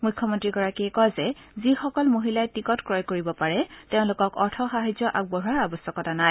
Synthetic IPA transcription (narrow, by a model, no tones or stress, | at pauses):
mujkʰːɔmɔntɹiɡɔɹakijkɔjzɛ | zixɔkɔlmoɦilajtikɔtkɹɔjkoɹibɔpaɹɛteʊ̃lʊkɔkɔɹtʰɔxaɦazɔʔaɡ̚bɔɦuaɹabɔsjɔkɔtanaj